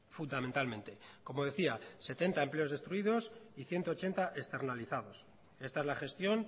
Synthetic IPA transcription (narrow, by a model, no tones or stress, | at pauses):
fund̪amẽnt̪almẽ̞nt̪e̞ko̞mo̞ðe̞θiase̞t̪e̞nt̪ae̞mple̞o̞zðe̞st̪ɾuiðo̞siθje̞nt̪o̞ːt͡ʃe̞nt̪aʔe̞st̪e̞ɾnaliθað̞o̞s | e̞st̪aezlaxe̞st̪jo̞n